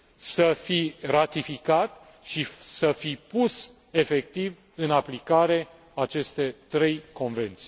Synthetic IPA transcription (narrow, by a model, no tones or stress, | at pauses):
səfirat̪ifikat̪ | ʃisəfipus | e̞fek̚t̪iv | ɨnaplikaɾe̞ | at͡ʃe̞st̪e̞t̪ɾe̞jko̞nve̞nt̪si̥